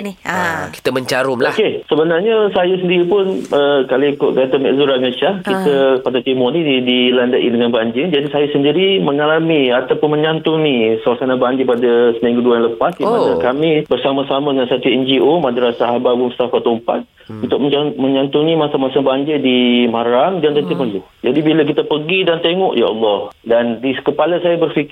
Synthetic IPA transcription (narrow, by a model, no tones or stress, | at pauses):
nki̥t̪əmə̃ɲt͡ʃaɾʊmloakesəbənarɲəsajasəndiɾipʊnəkaloikʊʔkat̪amɛ̰ʔzuɾaŋət͡ʃakit̪əpadat̪imunidilandaʔidəŋanbaɲd͡ʒɪrd͡ʒadisajasəndiɾiməŋalamiat̪apʊnmə̃ɲant̪unisəlasanabaɲd͡ʒɪpadasənaiŋɡuduajãləpasdimanakamibərsamasamadəŋansat̪uɛnd͡ʒiʔomadɾasaɦabaʔbumust̪afat̪ɔmpa̰t̪̚ | unt̪ʊʔ̚məmə̃ɲant̪unimasamasabaɲd͡ʒɪdimaɾamdant̪ənt̪ipəluhd͡ʒadibilək̬it̪əpəɡidant̪eŋɔʔjaɑlːɔhdandikəpalasajabərfikɪ